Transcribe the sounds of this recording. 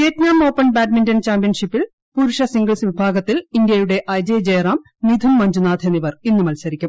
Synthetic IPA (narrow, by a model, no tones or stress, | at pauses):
keːtnaːmo̞ːpːɐnbaːɖmintɐnt͡ɕaːmpijɐnʂipːil | puːɾuʂɐsiŋɡɐɭsɨʋibʱaːɡɐt̪ːilind̪jɐjuɽe̞ʔɐjd͡ʑeːd͡ʑeːraːm | nid̪ʱunmɐɲd͡ʑunaːd̪ʱeniʋɐrinːumɐlsɐɾikʲːum